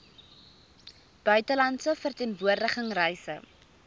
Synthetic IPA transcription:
b̥œɥtəlɐntsəfərtiənvuərdəχəŋrɛjsə̰

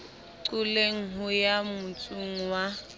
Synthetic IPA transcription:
ǀʊleŋ̩ɦʊjamʊt͡sʼuŋ̩wa

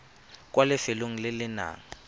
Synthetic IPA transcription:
kʼwalɪfeloŋ̩lɪlɪna̰ːŋ̩

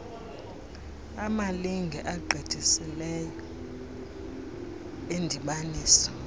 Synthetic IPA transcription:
amaliŋɡʱɛʔaɡ͡ǃʱid̥ʱisilɛjɔ | endʱiɓaniːsɔ̥

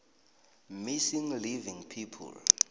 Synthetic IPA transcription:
misiŋlivĩŋpʰipʰṵl

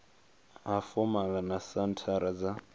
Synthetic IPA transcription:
ɦafɔmalanasantʰaɾad͡za

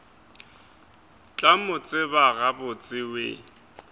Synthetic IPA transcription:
t͡ɬʼamʊt͡sʼɪbaɣabʊt͡sʼɪwḛ

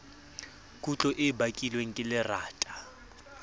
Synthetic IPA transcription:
kʼut͡ɬʼɔʔɪbakʼilweŋ̩kʼɪlɪraːtʼa

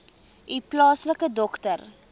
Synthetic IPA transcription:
ʔiplɑːsləkədɔktər

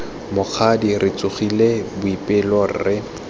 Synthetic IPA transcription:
mʊk͡xʰadirʔɪt͡sʊχilebʊipʼɪlɔrɪ

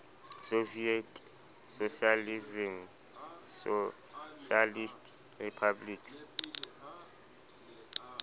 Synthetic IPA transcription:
sovietʰʼ | soʃializim | s | ʃalistʼ | ripʰabliks

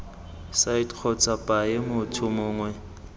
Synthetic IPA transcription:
saitk͡xʰɔt͡sʼapʼaemʊtʰʊmʊːŋwɛ

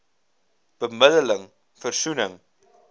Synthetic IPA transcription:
b̥əmədələŋ | fərsunəŋ

